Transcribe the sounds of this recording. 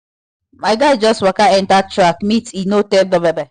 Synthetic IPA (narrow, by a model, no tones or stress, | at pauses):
maɪɡaɪd͡ʒɔstwakaɛ̃ntak̚t͡ʃɾakmitinoteldɔbebɛ